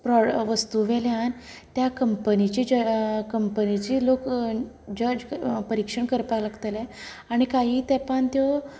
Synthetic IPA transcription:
pɾɔʋəst̪uʋɛljan | t̪jakəmpənit͡ɕiːd͡ʑəkəmpənit͡ɕiːlok | d͡ʑəd͡ʑpəɾikʂəɳkəɾpalaɡt̪elɛ | aɽ̃ikaɦiːt̪ɛpəɳt̪jɔ

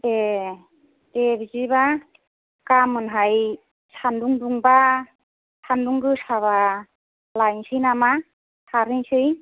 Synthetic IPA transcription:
te | tebiziba | kamɯnɦaj | sʰanduŋduŋba | sʰanduŋɡɯsaβa | lajŋsɯjnama | sʰaɾɯnsɯj

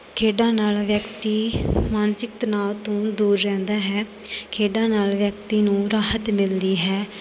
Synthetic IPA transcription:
kʰeːɖãːnaːlʋjəkt̪iːmaːnsɪk̚t̪naːʋt̪õːd̪uːɾːɛ̃ːnd̪aːɦɛː | kʰeːɖãːnaːlʋjək̚t̪iːnũːɾaːhət̪mɪld̪iːɦɛː

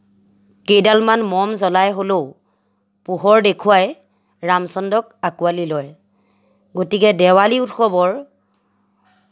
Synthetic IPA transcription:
kejdalmanmɔmzɔlajɦolo | puɦɔɹdekʰuwaj | ɹamsɔndɔk̚akualilɔj | ɡotikɛdɛwaliutxɔbɔɹ

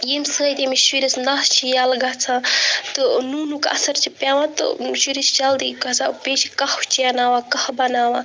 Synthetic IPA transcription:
jeːmsɨɣɐjt̪emiʃiɾisnaːst͡ʃʰijaːlɡɐt͡sʰãːt̪ɨnuːnukɐ̰sɐɾt͡ʃʰipjaːʋãːt̪ɨ̰ʃiɾist͡ʃald̪iɡɐt͡sʰã̰ːpeːʃikɐht͡ʃʰijanaːʋaːkɐhbɐnaːʋãː

